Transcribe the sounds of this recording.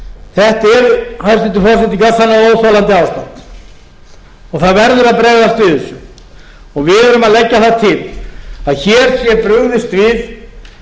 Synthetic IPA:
θɛht̪ɛɾhast̪ɪt̪ʏfɔsɪt̪ikasanːaoːwθalant̪ɪaːwst̪ant̪ | ɔɣθaðvɛɾðʏɾaðpɾɛːɣðast̪vɪðɪsjɔ | ɔɣvɪðœɾʏmaðlɛcːaθat̪ʰɪlaðçɛːɾ̥sjɛpɾʏɣðɪst̪vɪð

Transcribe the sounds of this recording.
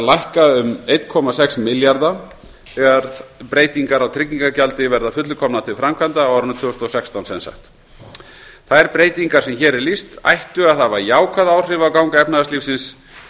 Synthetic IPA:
lajhkaʏmejt̪kʰɔmasɛksmɪljaɾða | ɛɣaɾpɾeːjt̪iŋkaɾawt̪ʰɾɪcːiŋkacalt̪ɪvɛɾðafʏt̪lʏkʰɔmnat̪ʰɪlfɾamkʰvant̪awaɾnʏt̪fʏʏst̪ɔsɛkst̪awnsɛ̰nsa̰xt̪ | θaðɛɾpɾeːjt̪iŋkaɾ̥sɛmçɛːɾɛɾlist̪a̰jht̪ʏaðθavaɾjaːwkʰvaðawr̥ɪvakawŋkaɛpnaðatlifsɪns

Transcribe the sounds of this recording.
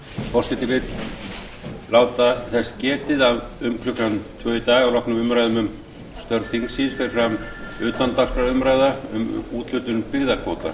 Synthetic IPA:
pʰɔsɪt̪ɪvɪt̪ | laːwt̪aθɛscɛːt̪ɪðavʏmkʰɾʏkant̪ʰvœːit̪aːɣawlɔhknʏmʏmɾajðʏmʏm | st̪œɾðθiŋksisfɪɾɪ̥fɾamʏːt̪lant̪ask̪ɾaɾʏmɾaːjðaʏ̰muːt̪l̥ʏt̪ʏnpɪɣðakʰoːt̪a̰

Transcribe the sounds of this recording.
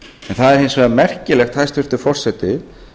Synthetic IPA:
ɛnθaðɛɾ̥hejnsvɛːðamɛr̥cɪlɛxt̪hajst̪ʏr̥t̪ʏ̥fɔr̥sɛt̪ɪ

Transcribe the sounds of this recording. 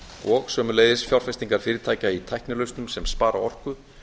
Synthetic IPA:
ɔɣsœːmʏleːjðɪsfjawr̥fɛst̪iŋkaɾ̥fɪːɾɪt̪ʰaːjcait̪ʰajhknɪlœɥwst̪nʏmsɛmspaːɾa̰ɔr̥kʏ

